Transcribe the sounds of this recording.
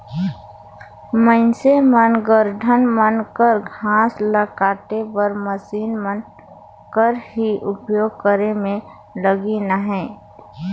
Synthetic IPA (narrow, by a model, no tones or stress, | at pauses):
mə̃ɪnsemənɡəɾɖʱənmənkəɾɡʱãːsləkaːt̪ebəɾməsiːnmən | kəɾɦiʔʊpjoːɡ̚kəɾemẽ | ləɡinəɦɛ̃ː